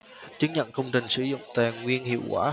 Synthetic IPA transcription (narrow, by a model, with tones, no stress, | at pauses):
t͡ɕɨ˨˦ŋɲə̰˧˨nkə˧wŋ͡mt͡ɕï˨˩ŋ̟sɨ˧˩zʊ̰˧˨ŋ͡mt̪aː˧˨˩ŋwi˧ənhḭ˧˨əwkwaː˧˩